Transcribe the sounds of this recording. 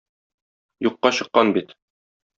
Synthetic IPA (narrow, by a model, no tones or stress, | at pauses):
juqːɑɕɤ̆qːɑnbit̪